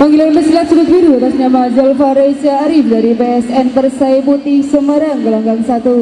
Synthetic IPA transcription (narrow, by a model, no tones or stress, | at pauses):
paŋɡilanəsilat̪suɾʊt̪̚biɾuat̪asɲamad͡ʒalfaɾesaːɾifdaɾipeɛsɛnpərsajput̪ihsəməɾaŋɡəlaŋɡaŋsat̪u